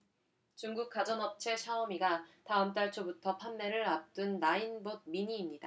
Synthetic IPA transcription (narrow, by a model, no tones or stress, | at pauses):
t͡ɕuŋɡuk̚k͈ad͡ʑʌnɦʌp̚t͡ɕʰe̞t͡ɕʰaʌmiɡataɯmt̬͈aɭt͡ɕʰobutʰʌpʰanːe̞ɾɯɾap̚t͈ɯnːainbod̚miɲiːmɲida